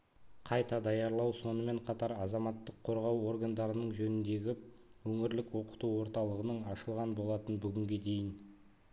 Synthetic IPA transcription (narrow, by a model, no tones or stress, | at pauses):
qʰɑjt̪ɑd̪ɑjɑɾlˠɑwso̞nəme̞ɴqʰɑt̪ɑɾɑzɑmɑt̪ːəqʰːo̞ɾʁɑwo̞ɾɡand̪ɑɾənəɴʒɵnɪnd̪e̞ɡʲɪwɵŋɪɾlɪkwo̞qə̥t̪uwo̞ɾt̪ɑlˠəʁənəɴɑʃəlˠʁɑnbo̞lˠɑt̪ənbʏɡʲɪŋɡʲe̞d̪e̞jɪn